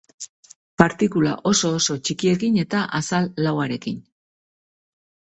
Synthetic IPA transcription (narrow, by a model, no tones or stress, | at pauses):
paɾt̪ikula̰ʔo̞so̞ːso̞t͡ʃikie̞kine̞t̪aʔasalːawaɾe̞kin